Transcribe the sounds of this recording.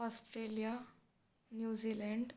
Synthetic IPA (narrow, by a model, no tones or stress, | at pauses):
ɔsʈɾelija | njud͡ʑilɛɳɖ